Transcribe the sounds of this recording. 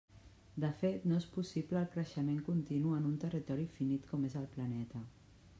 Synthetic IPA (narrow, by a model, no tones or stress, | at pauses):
d̪əfet̪noespusipləːlˠkɾəʃəmeŋkunt̪inuənunt̪ərit̪ɔɾifinit̪kɔmezəlˠplənɛt̪ə